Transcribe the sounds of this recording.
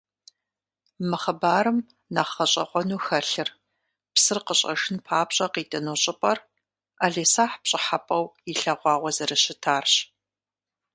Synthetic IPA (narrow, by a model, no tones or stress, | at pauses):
mɨχɐbaːɾɨm | naχɐɕʼɐ̰qʷɔnuːxɐɬɨr | psɨrqəɕʼɐ̰ʂɨnpʰaːpɕʼɐqiːtʼɐnoɕʼɪpʼɐr | aɮeːsaːħpɕʼɪħapʼɐwiɬɐʁʷɑːʁʷɔzɐrɐɕɪtʰaːrɕ